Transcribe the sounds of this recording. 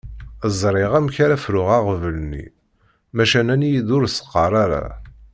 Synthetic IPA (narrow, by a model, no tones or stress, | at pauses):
əzˤɾˤɪʁæmçaɾafɾʊʁaʁəvələnːḭ | mæʃænænjiðʊɾsə̥qːɑɾˤaɾa̰